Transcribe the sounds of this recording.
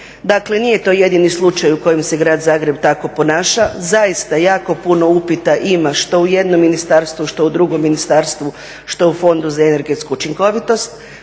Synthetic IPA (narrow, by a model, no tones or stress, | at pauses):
d̪akle̞nije̞t̪o̞ːje̞d̪inislˠut͡ʃajuko̞jemse̞ɡɾaːd̪zaːɡɾe̞bt̪ako̞po̞naːʃazajist̪ajaːko̞puno̞upit̪aʔimaʃt̪o̞uje̞d̪nomːinist̪aɾst̪ʋuʃt̪o̞ud̪ɾuɡomːinist̪aːɾst̪ʋu | ʃt̪oufo̞nd̪uzaene̞ɾɡe̞t̪skuut͡ʃiŋko̞ʋit̪o̞st̪